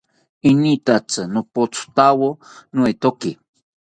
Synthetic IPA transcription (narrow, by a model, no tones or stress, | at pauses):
init̪at͡sɨnopot͡sʰu̥t̪awonuet̪oki